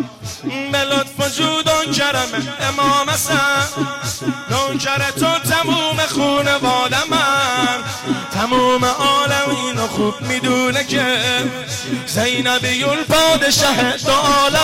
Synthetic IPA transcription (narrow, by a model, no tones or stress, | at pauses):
belot̪̚ʰbod͡ʒuːd̪oŋkʰæɾɛmenemɔːmæsæ | d̪oŋt͡ʃʰæɾet̪ʰot̪ʰæmuːmexuːnevɒːd̪æmæn | t̪ʰæmuːmeʔɒːlæmiːnoxuːb̚mid̪uːnekʰe | zejnæbijulpʰɒːd̪eʃæɦet̪oʔːla